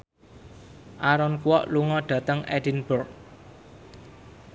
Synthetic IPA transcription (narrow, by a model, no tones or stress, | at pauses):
ʔaɾɔnkuwɔʔluŋɔɖ̥ä̤t̪əŋɛd̥inbɔrk